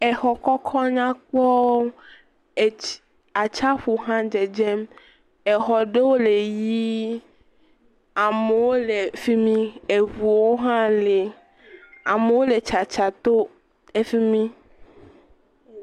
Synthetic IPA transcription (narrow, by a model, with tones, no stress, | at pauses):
ɛ˨xɔ˨kɔ˦kʰɔ˦ɲã˦k͡pɔ˦˨ | a˨t͡ʃa˦ɸu˨ɦã˦d͡ʒe˨d͡ʒɛ˦m | ɛ˨xɔ˨ɖe˦wo˦le˨ji˦ | a˨me˨wo˦le˨fi˦mĩ˦e˨ɦu˨wo˦ɦã˦le˨ | a˨me˨wo˦le˨t͡ʃa˨t͡ʃa˨t̪o˦ | e˦fi˦mĩ˦